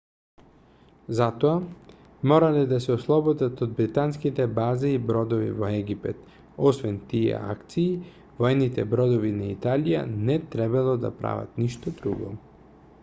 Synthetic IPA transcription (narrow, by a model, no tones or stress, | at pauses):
zat̪ɔa | mɔɾalɛd̪asɛoslˠɔbɔd̪at̪od̪̚bɾit̪anskit̪ɛbaziːbɾɔd̪ovḭvoɛɡipɛt̪ | ɔsvɛnt̪iɛ̰a̰kt̪siː | vɔɛnit̪ɛbɾɔd̪ovinait̪alija̰nɛt̪ɾɛbalˠod̪a̰pɾa̰va̰t̪niʃt̪ɔd̪ɾuɡɔ̰